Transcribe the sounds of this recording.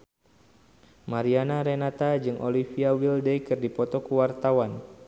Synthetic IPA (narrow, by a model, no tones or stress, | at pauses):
maɾianaɾenat̪ad͡ʒɨŋʔolifiawildejkɨrdipɔt̪ɔkuwart̪awan